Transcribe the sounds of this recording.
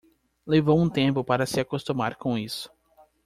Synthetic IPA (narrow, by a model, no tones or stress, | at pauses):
levowũt̪ẽmpʊpaɾɐsɪakost̪umaɾkõisʊ̥